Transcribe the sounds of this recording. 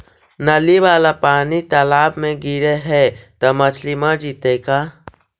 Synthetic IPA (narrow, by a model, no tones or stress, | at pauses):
nɐliʋaːlapaːnit̪ɐlaːbmẽɡiɾeɦɛt̪ɐmɐt͡ʃʰlimaɾd͡ʒiːt̪ekaː